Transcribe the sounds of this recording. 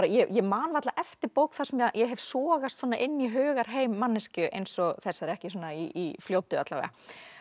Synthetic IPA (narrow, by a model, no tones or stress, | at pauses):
ɾajɛjɛmaːnvat̪laʔɛft̪ɪɾpowkθḁsɛmajɛɦɛvsɔːɣast̪sɔːnːaʔɪnːiɦœːɣaɾ̥ɦeːjmːanːɪscʏʔḛjnsɔɣθɛsːaɛɾɛhcɪsuːnaiifljoːwt̪ʏat̪lavɛ̰ɣa̰